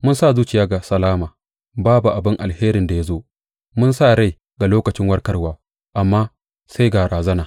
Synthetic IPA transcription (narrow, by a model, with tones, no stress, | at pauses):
mʊ˦nsa˦˨zuː˦t͡ʃɪ˨jaː˦ɡa˨sɐ˨laː˦maː˨ | baː˦bu˨ʔa˨bɪ˦ŋʔa˨lheː˦ɾɪ˨nda˨ja˦zoː˦ʔ | mʊ˦nsa˦ɽa˦j | ɡa˨loː˦kɐ˨t͡ʃɪ˦ŋwɐ˦rkɐ˦rwaː˨ | ʔa˨mːaː˦ | sa˦jɡaː˨ɾaː˨zɐ˦naː˨